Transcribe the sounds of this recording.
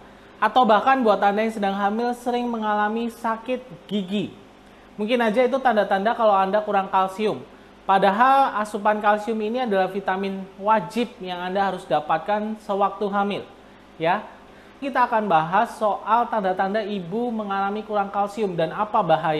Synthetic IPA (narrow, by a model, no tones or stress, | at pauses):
ʔat̪awbahkanbuat̪ːandajaŋsədaŋɦamɪlsəɾɪŋməŋalamisakɪt̪̚ɡ̥iɡi | muŋkɪnad͡ʒait̪̬ut̪andat̪andakalawandakuɾaŋkalsiʊm | padaɦalasupankalsiʊminiadalahfit̪amɪnwad͡ʒɪp̚jaŋandaɦaɾʊsdapat̪̚kansəwak̚t̪uɦamɪl | ja | kit̪aːkanbaɦasːoʔalt̪andat̪andaibuməŋalamikuɾaŋkalsiʊmdanapabaɦaja